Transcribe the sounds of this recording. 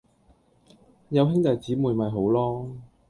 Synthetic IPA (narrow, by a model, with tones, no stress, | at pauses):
jɐ˨˧wɦɪ˥ŋt̪ɐ˨jt͡siː˨˥muː˨jmɐ˨jɦo˨˥wlɔː˥